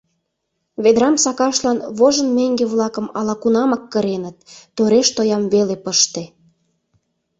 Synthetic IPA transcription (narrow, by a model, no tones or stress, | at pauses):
βed̪ɾɑmsɑkɑʃlɑnβoʒə̆nmeŋɡeβlɑkə̆mɑlɑkunɑmɑkːəɾenət̪ːoɾeʃt̪ojɑmβelepəʃt̪ĕ